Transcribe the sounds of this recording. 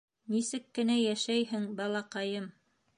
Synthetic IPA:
nisɘkːɘ̆næjæʃæjhɘŋbɑlˠɑqɑjɤm

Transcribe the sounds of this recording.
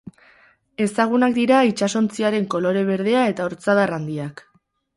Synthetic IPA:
e̞saɣ̞unakd̪iɾait͡ʃaso̞nt͡siaɾe̞ŋko̞lo̞ɾe̞β̞e̞ɾð̞e̞ae̞t̪aoɾt͡saðarand̪iak

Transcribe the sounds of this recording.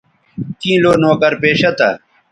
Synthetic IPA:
kĩːloːnoːkɐɾpeːɕɐt̪ɐ̰

